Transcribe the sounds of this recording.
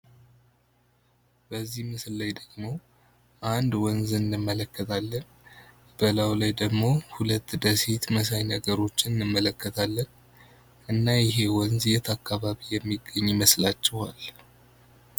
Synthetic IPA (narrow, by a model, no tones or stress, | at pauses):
b̥əzːihmɨslːajd̪əɡmo̞ | ʔand̪wɔnzɨnɨnːɨmːələkːət̪ʰalːən | bəlawlajd̪əɡmo̞hulət̪ːd̪əsit̪məs̬ajnəɡəɾo̞t͡ʃːɪnɨnɨmːələkːət̪ʰalːən | ʔɨnːajɪɦe̞wɔnzjɛt̪ʰakːaβaβijɛmːiɡːəɲːməslat͡ʃːɛhal